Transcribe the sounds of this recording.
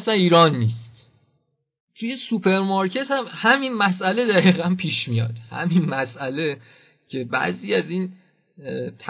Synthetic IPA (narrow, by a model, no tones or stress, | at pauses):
sæniːɾɒːnːiːst̪ | t̪ʰujesupʰe̞ɾmɒɾcʰe̞t̪hæmhæminmæsʔæle̞d̪æɣiːɣænpʰiːʃmijɒ̰ːd̪̥hæ̰minmæsʔæle | cʰe̞bæ̰ziːæziːn | t̪ʰ